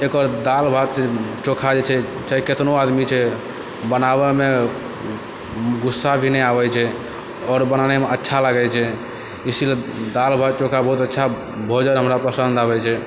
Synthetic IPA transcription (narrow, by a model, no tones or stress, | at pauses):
ekəɾd̪albʱat̪t͡ʃokʰad͡ʒet͡ʃʰɛ | t͡ʃaiket̪noad̪mit͡ʃʰɛ | bənabɛme | ɡusːabʱineabɛt͡ʃʰɛ | ɔːɾbənanemeətːʃʰalaɡɛt͡ʃʰɛ | isiled̪albʱat̪̚t͡ʃokʰabəɦut̪ətːʃʰa | bʱod͡ʒənɦəmɾapɾəsənd̪abɛt͡ʃʰɛ